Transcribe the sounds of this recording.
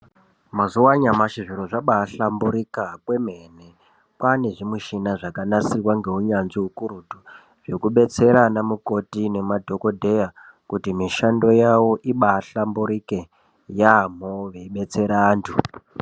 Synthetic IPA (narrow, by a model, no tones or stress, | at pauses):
mazuwaɲamaʃiʐiɾoʐaɓaːɬambuɾikakwe̞mene̞ | kwane̞ʐimwiʃinaʐakanasirwaŋɡe̞uɲanʐiɦukuɾutu | ʐe̞kuɓe̞t͡se̞ɾanamuko̞tine̞madʱo̞ko̞dʱe̞ja | kutimiʃando̞jawoʔiɓaːɬambuɾike | jam̤oʋeiɓe̞t͡se̞ɾaːntʰu